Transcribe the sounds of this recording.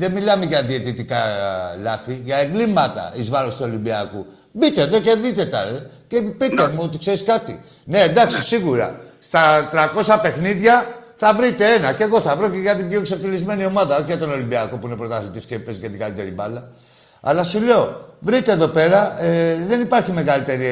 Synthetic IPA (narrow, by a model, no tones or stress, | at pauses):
ðe̞milɐmeʝɐðiet̪it̪ikɐlɐθiʝɐeŋɡlimɐt̪ɐ̰izvɐɾost̪uo̞limbiɐku | bit̪e̞ðe̞ce̞ðit̪et̪ɐ̰ce̞pit̪emuot̪ikse̞ɾiskɐt̪ḭ | ne̞ːnd̪ɐksisiɣuɾɐ̰st̪ɐt̪ɾɐko̞sɐpe̞xniðʝɐ | θɐvɾit̪e̞enɐce̞ɣo̞θɐvɾoceʝɐt̪̬ibʝo̞ekseft̪ilizme̞nio̞mɐðɐo̞çeʝɐt̪o̞no̞limbiɐkopuinepɾo̞t̪ɐθit̪iscepezʝɐt̪iɡalit̪e̞ɾibɐlɐ | ɐ̰lɐsule̞o̞vɾit̪e̞ːðo̞pe̞ɾɐeðe̞nipɐɾçime̞ɣalit̪e̞ɾi